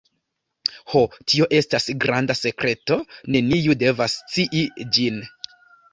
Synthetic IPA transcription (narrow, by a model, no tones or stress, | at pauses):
ho̞tʰio̞ʔe̞stasɡɾandase̞kɾe̞to̞ne̞nijude̞vast͡siʔid͡ʒin